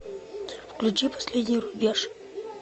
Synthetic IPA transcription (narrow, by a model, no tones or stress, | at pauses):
fklʲut͡ɕipɐ̥sʲlʲedʲnʲɪjɾʊbʲeʂ